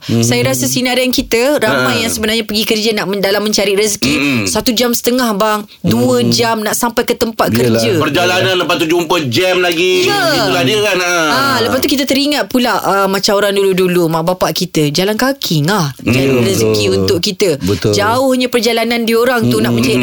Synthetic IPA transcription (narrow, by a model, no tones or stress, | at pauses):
sajaɾasasinaɾankit̪əɾamajːaŋsəbənarɲapəɡikərd͡ʒənaʔmdalamːə̃ɲt͡ʃaɾiʔrəskisat̪ud͡ʒamsə̥t̪əŋahbaŋ | duəd͡ʒamnaʔsampajkət̪əmpat̪̚kərd͡ʒəpərd͡ʒalanãnləpat̪ud͡ʒumpəd͡ʒɛmlaɡijəukadəkanaaləpast̪ukit̪ət̪əɾiŋat̪̚pulaəmat͡ʃamoɾaŋduludulumaʔbapaʔkit̪əd͡ʒalankakʰɪŋahd͡ʒaɾiɾəzkiunt̪ʊʔ̚kit̪əbəd͡ʒaʊhɲapərd͡ʒalanãndioɾaŋt̪unaʔmə̃ɲt͡ʃaɾi